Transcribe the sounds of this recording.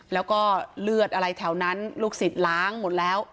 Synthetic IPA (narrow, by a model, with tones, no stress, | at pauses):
lɛː˦˥wkɔː˥˩lɯ˥˩ət̪̚ʔa˧ɾa˧jt̪ʰɛ˩˦wna˦˥nluː˥˩k̚si˨˩t̪̚laː˦˥ŋmo˨˩t̪̚lɛː˦˥w